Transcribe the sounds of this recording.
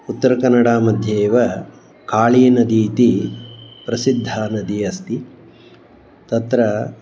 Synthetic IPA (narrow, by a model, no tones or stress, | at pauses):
ut̪ːɐɾɐkɐnːɐɽaːmɐd̪ʱjeːʋɐ | kaːɭiːnɐd̪iːt̪i | pɾɐsid̪ʱːaːnɐd̪iɐst̪i | t̪ɐt̪ɾɐ